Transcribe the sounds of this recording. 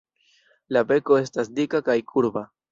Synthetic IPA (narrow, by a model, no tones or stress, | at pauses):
labe̞ko̞e̞stasdikakajkʰuɾba